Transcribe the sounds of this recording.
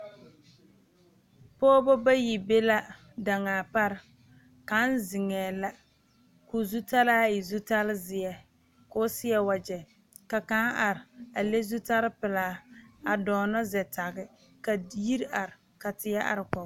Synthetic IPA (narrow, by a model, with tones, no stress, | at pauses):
pɔː˦bɔ˦ba˦ji˨be˦la˦ | da˨ŋaː˨pa˦ɾɪ˦ | ka˨˦n˦zɪ˨ŋɛː˨la˦ | kʊ˨zu˦ta˦laː˦ɪ˨zu˦ta˦lɪ˦zɪ˨ɛ˦ | ko˦sɪ˦ɛ˦wa˨d͡ʒɛ˨ | ka˨kaː˦nʔa˨ɾɪ˨a˨le˦zu˦ta˦ɾɪ˦pɪ˨laː˨˦˨a˨dɔː˨nɔ˦zɛ˨tʰa˨ɣɪ˦ | ka˨˦ji˦ɾʔa˨ɾɪ˨ | ka˨tɪ˨ja˦ʔa̰˨ɾɪ˨kɔ˨˦